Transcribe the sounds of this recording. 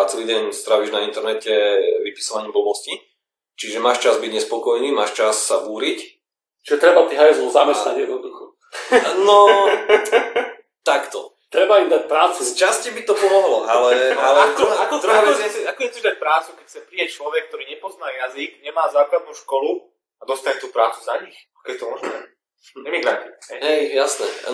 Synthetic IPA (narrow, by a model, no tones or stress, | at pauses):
at͡sɛliːɟɛɲst̪ɾaʋiːʒnaint̪ɛɾnɛcɛʋipi̥sɔʋaɲimbɔbɔsci | t͡ʃiʒɛmaːʃt͡ʃazbiɟɲɛspɔkɔjniːmaːʃt͡ʃasːabuːɾic | t͡ʃiʒɛt̪ɾɛbat̪iɦajɛzlɔzamɛst̪aɟjɛd̪nɔd̪uxɔ | nɔ | t̪akt̪ɔ̰ | t̪ɾɛbaimd̪ac̚pɾaːt͡sust͡ʃascibit̪ɔpɔmɔɦlɔalɛalɛkɔakɔɔaɛɛakɔɲɛzɔʒd̪ac̚pɾaːt͡sukɛcxt͡sɛpɾijac̚t͡ʃlɔʋɛk̚ːt̪ɔɾiːɲɛpɔznaːjaziɡɲɛmaːzaːklad̪nuːʃkɔlu | ad̪ɔst̪aɲɛt̪uːpɾaːt͡su̥zaɲixakɛjɛt̪ɔmɔʒnɛ̰ | ɛmiɡɾat̪iɛɦɛjjasnɛ̰